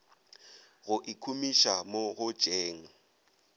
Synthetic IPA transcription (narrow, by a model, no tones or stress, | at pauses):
ɣʊʔikʰumiʃamoɣʊ̥ʒ̥ʼeːŋ̩